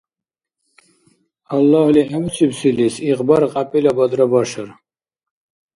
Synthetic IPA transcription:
alːahliħamsʰibsilisiqbaɾqʼapʼilabad̪ɾabaʃaɾ

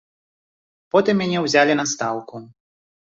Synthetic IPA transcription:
pɔt̪ɨmːʲanʲɛwzʲalʲinɐst̪awku

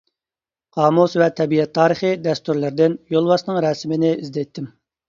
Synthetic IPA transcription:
qɑːmusvɛt̪ʰɛbiɛt̪ʰːɑːɾəχɨd̪ɛst̪yɾlɪɾd̪ɪnjolˠwɑsnɨŋɾɛsɪmɪnɪizd̪ɛjt̪ʰːɪm

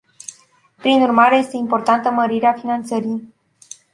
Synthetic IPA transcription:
pɾinurmaɾe̞je̞st̪e̞impo̞rt̪ant̪əməɾiɾeafinant̪səɾij

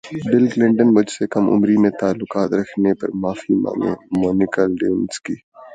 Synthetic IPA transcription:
bɪlɡlɪ̃ɳɖənbɐd͡ʒsekɐmʔʊ̰mɾimẽt̪aːlːʊkaːt̪ɾɐkʰnepɐ̰ɾmaːfima̰moːnɪkəlɖenskiː

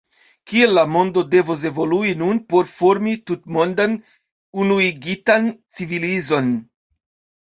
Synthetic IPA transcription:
kielːamo̞ndo̞de̞vos̬e̞vo̞luinunpo̞ɾfoɾmitutmo̞ndan | unuiɡitant͡sivilizo̞n

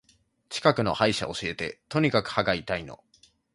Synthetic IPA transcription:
t͡ɕi̥kakɯ̟no̞̰haiɕa̰o̞ɕie̞t̪e̞t̪oɲ̟ikakɯ̟̥haɡait̪aino̞̰

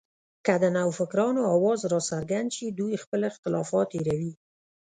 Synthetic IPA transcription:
kad̪ənawfɪkɾɑnoɑwɑzɾɑsaɾɡand̪ʃid̪ujxpəlɪxt̪ɪlɑfɑt̪eɾawi

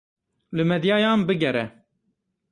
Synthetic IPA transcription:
lɨmɛd̪jɑːjɑːnbɨɡɛɾɛ

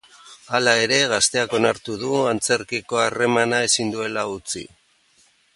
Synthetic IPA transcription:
alae̞ɾe̞ɣast̪e̞ako̞naɾt̪uðuant͡se̞ɾkiko̞are̞manae̞sind̪ue̞laut͡sḭ

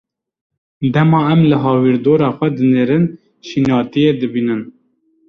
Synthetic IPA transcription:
d̪ɛmɑːɛmlɨɦɑːwiɾd̪oːɾɑːxʷɛd̪ɨneːɾɨn | ʃinɑːt̪ijeːd̪ɨbiːnɨn

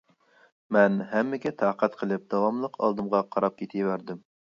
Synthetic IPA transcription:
mɛnɦɛmːɪkʲɛt̪ʰɑːqʰæt̪qʰəlˠɪp̚d̪̥ɑwɑmlˠəqʰɑ̰lˠd̪ɨmʁɑqʰɑɾɑp̚kʲʰet̪ʰɪjwæɾd̪ɪm

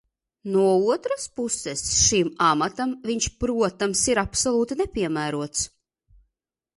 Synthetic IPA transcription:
nuɔuɔt̪ɾaspusɛsʃimamat̪amviɲʃpɾuɔt̪amsiɾapsɔlˠuːt̪inepʲiɛmæːɾuɔt̪s

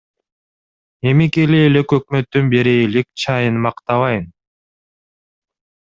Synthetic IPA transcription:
e̞mikeleːlekøkmø̞t̪ːynbeɾiːlek̚t͡ʃʰɑjɯnmɑqt̪ɑβɑjɯn

